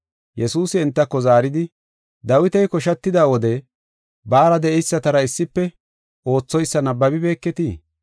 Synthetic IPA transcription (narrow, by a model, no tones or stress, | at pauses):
jɛsuːsɪɛnt̪ːɐkːɔzaːɾɪd̪ɪ | d̪ɐwɪt̪ɛjkɔʃɐt̪ːɪd̪aːwɔd̪ɛ | baːɾɐd̪ɛʔɛjsːɐt̪ɐɾɐɪsːɪpːɛ | o̞ːt͡sːɔjsːɐnɐbːɐbɪbe̞ːkːɛt̪i